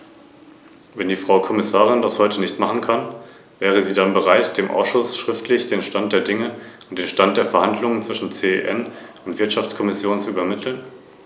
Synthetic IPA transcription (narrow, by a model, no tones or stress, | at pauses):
vɛndiːfʁ̥aʊkʰɔmɪsaːʁ̞ɪndashɔʏtənɪçtmaχn̩kʰan | vɛːʁ̞əziːdanbəʁ̞aɪtd̥eːmʔa̰ʊsʃʊsʃʁ̥ɪftʰlɪçd̥eːnʃtant̚d̥eːɐdɪŋəʊnt̚d̥eːnʃtant̚d̥eːɐfɛɐhandlʊŋənt͡sv̥ɪʃn̩t͡seːḛʔɛnʊntv̥ɪɐtʃaft͡skʰɔmɪsjoːnt͡suyːbɐmɪtʰl̩n